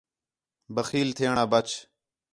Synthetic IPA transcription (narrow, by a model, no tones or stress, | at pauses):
bəxiːlt̪ʰeːɳaːbət͡ʃʰ